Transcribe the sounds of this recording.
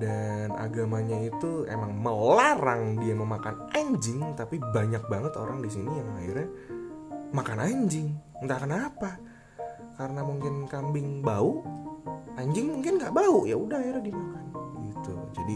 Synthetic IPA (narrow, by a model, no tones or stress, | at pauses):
dana̰ɡamaɲait̪uḛmaŋməlaɾaŋdiaməmakan | aɲd͡ʒɪŋt̪apibaɲak̚baŋət̪o̰ɾaŋdis̬inijaŋaɪɾɛ | makanaɲd͡ʒɪŋnt̪akanapa | kaɾənamuŋkɪnkambɪŋbauʔ | aɲd͡ʒɪŋmuŋkɪnɡaʔbauʔjaudahaɪɾɛdiamakanɡit̪ṵd͡ʒadi